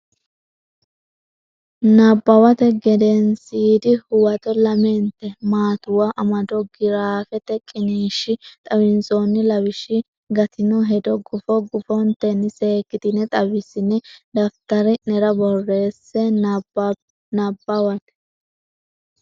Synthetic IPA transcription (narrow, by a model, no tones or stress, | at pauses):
nɐbːɐwɐt̪ɛɡɛd̪ɛnsiːd̪ɪhʊwɐt̪ɔlɐmɛnt̪ːɛmaːt̪ʊwaʔɐmɐd̪ɔɡɪɾaːfɛt̪ɛkʼɪniːʃːɪt̪ʼɐwɪnsonːɪlɐwɪʃɪ | ɡɐt̪ʰɪnɔɦɛd̪ɔɡʊfɔɡʊfɔnt̪ɛnːɪse̞ːkːɪt̪ɪnɛt̪ʼɐbɪsːɪnːɛd̪ɐft̪ɐɾɛnɛɾɐbɔrːe̞ːsːɛ | nɐbɐwɐt̪ɛ̥